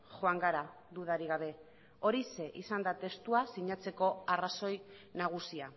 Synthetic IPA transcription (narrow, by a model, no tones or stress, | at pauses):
xo̞aŋɡaɾa | ðuðaɾiɣaβ̞e̞ | o̞ɾise̞ʔisand̪at̪e̞st̪uasiɲat͡se̞ko̞araso̞jnaɣ̞usia